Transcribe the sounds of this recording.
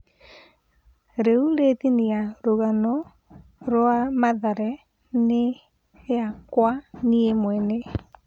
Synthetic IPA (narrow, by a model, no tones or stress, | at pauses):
ɾeuɾetiniaɾoɣanɔ | ɾwamaðaɾɛ | ne | akwaniemwɛne